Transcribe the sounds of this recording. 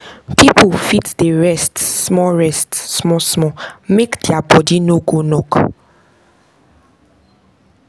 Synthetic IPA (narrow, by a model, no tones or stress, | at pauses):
pipufitdeɹɛstsmɔɹɛstsmɔsmɔmekdiabɔdinoɡonɔk